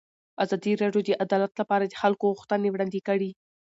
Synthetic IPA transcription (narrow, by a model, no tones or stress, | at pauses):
azɑd̪iɾɑɖjod̪əʔad̪ɑlat̪lapɑɾad̪əxalkoɣuxt̪ənewɽɑnd̪ikəɽi